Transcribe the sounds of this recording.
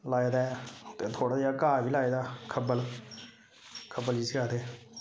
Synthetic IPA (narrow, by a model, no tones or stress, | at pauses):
laːeːd̪aːt̪eːt̪ʰoːɽaːd͡ʒaːkaːʋiːlaːeːd̪aːkʰəbəl | kʰəbəld͡ʒiːsɡaːd̪eː